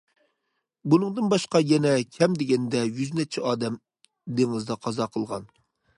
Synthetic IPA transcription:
bunɨŋd̪ɨnbɑʃqɑjɛnɛkʲʰɛmd̪eɡʲɛnd̪ɛjyznɛt͡ʃʰɛɑːd̪ɛm | d̪eŋɨzd̪ɑqʰɑzɑqʰəlˠʁɑn

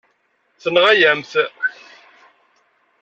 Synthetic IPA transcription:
θənəʁæjæmθ

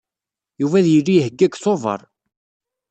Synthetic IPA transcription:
juvæðjəlːijhəɡːækθovə̰ɾˤ

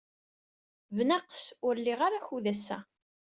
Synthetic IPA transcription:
vnæqsʊɾliʁaɾaçuðæsæ̰

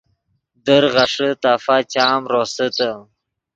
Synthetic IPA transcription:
d̪əɾʁaʂət̪aːfat͡ɕaːmɾosət̪ə

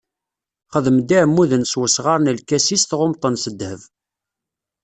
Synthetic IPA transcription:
χəðəmd̪iʕəmːuðənswəsʁɑɾˤnəlkːæsist̪ʁʊmt̪ˤənsəd̪həv

